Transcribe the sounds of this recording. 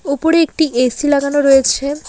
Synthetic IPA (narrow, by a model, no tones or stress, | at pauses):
upoɾeek̚ʈiʔesilaɡanoɾɔjet͡ɕʰe